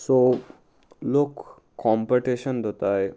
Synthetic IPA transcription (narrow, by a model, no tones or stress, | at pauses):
so | lokː | ɔmpiʈiɕənd̪ʱot̪aj